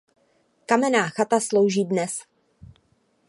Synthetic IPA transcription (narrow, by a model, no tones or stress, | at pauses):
kamɛnaːxat̪aslowʒiːdnɛs